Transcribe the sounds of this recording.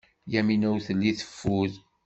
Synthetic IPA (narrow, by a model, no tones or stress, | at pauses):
jæminæwθəlːiθə̥fːuð